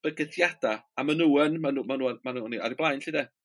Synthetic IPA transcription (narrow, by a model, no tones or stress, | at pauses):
b̥əɡəθjad̥aamanuːənmanuːmanuːmanuːniʔaɾiblˠajnɬidɛ